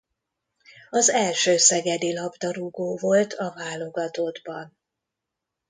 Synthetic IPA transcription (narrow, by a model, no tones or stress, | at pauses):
ɒzɛlʃøːsɛɡɛd̪ilɒbd̪ɒɾuɡoːvo̞lt̪ʰɒvaːlo̞ɡɒt̪od̪bɒn